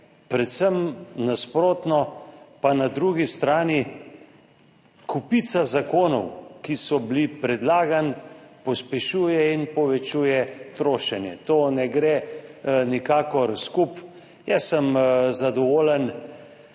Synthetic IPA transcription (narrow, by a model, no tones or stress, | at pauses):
pɾɛt̪səmnaspɾoːt̪nɔpanad̪ɾuɡist̪ɾaːni | kupit̪sazakoːnɔwkisɔblipɾɛd̪laːɡanpɔspɛʃuːjɛinpɔʋɛt͡ʃuːjɛt̪ɾoːʃɛnjɛ̰t̪oːnɛɡɾe | nikaːkɔɾskup | jɛsːəmzad̪ɔʋoːlən